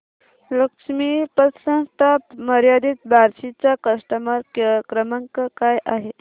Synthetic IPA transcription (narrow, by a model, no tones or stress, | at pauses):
ləkʂmipətsə̃nst̪ʰapməɾjad̪iːt̪̚bʱaɾɕit͡ɕjakəsʈəməɾkkɾəməŋkəkajʔaɦe